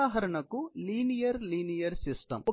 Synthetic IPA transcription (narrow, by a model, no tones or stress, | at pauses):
aːɦɐɾɐɳɐkuliːnijɐɾliːnijɐɾsisʈɐ̰m